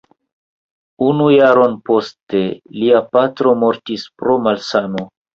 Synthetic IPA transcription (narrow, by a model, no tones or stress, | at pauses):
unujaɾo̞npo̞ste̞liapatɾo̞mo̞ɾtispɾo̞malsano